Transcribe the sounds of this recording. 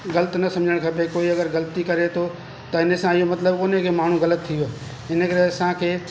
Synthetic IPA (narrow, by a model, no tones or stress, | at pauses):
ɣɐlət̪nɐsɐ̃md͡ʑʱəɽ̃kʰɐpekoːiɐɡəɾɣɐlt̪ikɐɾet̪ʰo | t̪ɐɪnəsãɪɦomɐt̪ləbkoːnekʰemaːɳ̤ũɣɐlət̪ʰːijo | ɪnə̆kɐɾeɐsãkʰeː